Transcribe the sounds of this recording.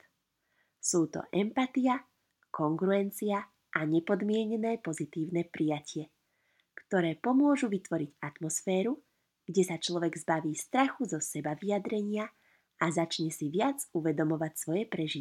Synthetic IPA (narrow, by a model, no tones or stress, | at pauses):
suːt̪ɔ̰ʔɛmpat̪ija | kɔŋɡɾuɛnt͡sia | ʔaɲɛpɔd̪mɪɛɲɛnɛːpɔzit̪iːʊnɛːpɾijacɪɛ | kt̪ɔɾɛːpɔmʊɔʒuʋit̪ʋɔɾiɟat̪mɔsfɛːɾu | ɡ̥ɟɛsat͡ʃlɔʋɛɡzbaʋiːst̪ɾaxuzɔsɛbaʋijad̪ɾɛɲɪa | azat͡ʃɲɛsiʋɪad͡zuʋɛd̪ɔmɔʋacsʋɔjɛpɾɛʒi